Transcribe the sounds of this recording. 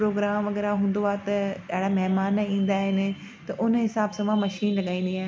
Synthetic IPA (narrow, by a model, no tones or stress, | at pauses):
ɾoːɡɾaːmʋɐɣɛːɾaɦũːn̆d̪oaːt̪ɐɐɦɪɽamɛɦmaːnĩːn̆d̪aːɦɪnɪ̆ | t̪ɐʔʊnɦɪsaːbsãʋãmɐʃiːnlɐɠaːĩːnd̪iaː